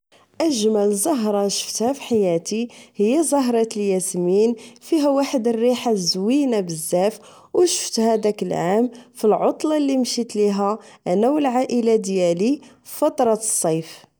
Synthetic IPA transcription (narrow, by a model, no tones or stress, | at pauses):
ʔəʒmælzˤɑɦɾˤɑʃə̥ft̪hæfi̥ħajæt̪ihəjːæzˤɑɦɾˤɑt̪əljæsminfiɦæwaħəd̪ərːiħazwinabəzːæf | wəʃə̥ft̪hæd̪ækəlʕamfilʕot̪ˤlɑlːimʃit̪liɦæʔænːæwəlʕaʔəlad̪jæli | fɑt̪ˤɾˤɑsˤːɑjf